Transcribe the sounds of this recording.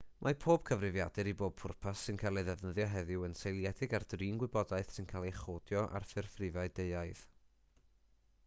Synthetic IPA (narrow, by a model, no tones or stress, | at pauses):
mʔapʰoːb̥̚kʰəvrɨvjadɨɾiboːb̥̚pʰʊrpʰasːɪnkʰaːlˠeðɛvnəðjɔɦɛðɪwənsejlˠjɛdɪɡardriːnɡwɪbɔdaɨθsɪnkʰalˠejχoːdjɔʔa̰rfɨrfrɪvaɨdeɨaɨð